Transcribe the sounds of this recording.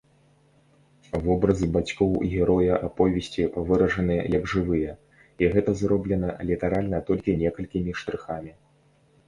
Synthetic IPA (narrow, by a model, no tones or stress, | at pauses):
vɔbɾɐzɨbat͡sʲkɔwɣʲɛɾɔjɐʔapɔvʲɛsʲt͡sʲivɨɾɐʐɐnɨjɛ̰jɐɡʐɨvɨjɐ | iɣɛt̪ɐzrɔblʲɛnɐlʲit̪aɾalʲnɐt̪ɔlʲkʲinʲɛkɐlʲkʲimʲiʂt̪ɾɨxamʲi